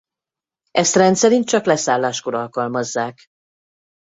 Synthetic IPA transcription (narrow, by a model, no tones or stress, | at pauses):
ʔɛst̪rɛnt̪sɛɾint̪̚t͡ʃɒklɛsaːlːaːʃkoɾɒlkɒlmɒzːaːk